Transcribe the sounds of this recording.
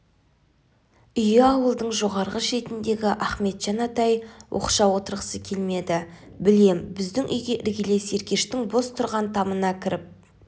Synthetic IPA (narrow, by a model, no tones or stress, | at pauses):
ʏjɪɑwəlˠd̪əɴʒo̞ʁɑɾʁəʃe̞t̪ɪnd̪e̞ɡʲɪʔæχme̞t̪ʒ̥ɑnɑt̪ɑjwʔo̰qʃɑwo̞t̪əɾʁəsəkʲʰe̞lme̞d̪ɪbɪle̞mbɪzd̪ɪŋʔʏ̰jɡʲe̞ʔɪɾɡʲɪle̞se̞ɾkʲe̞ʃt̪ɪŋbo̞st̪ʰʊɾʁɑnt̪ʰɑmənɑkʲʰɪɾɪp̚